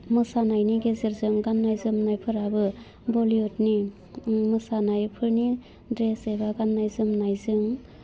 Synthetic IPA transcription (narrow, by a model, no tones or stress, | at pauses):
mɯsanajniɡezeɾzɯŋɡanːajzɯmnajpʰɯɾabɯ | boliot̚ni | mɯsanajpʰɯɾni | dɾesebaɡanːajzɯmnajzɯŋ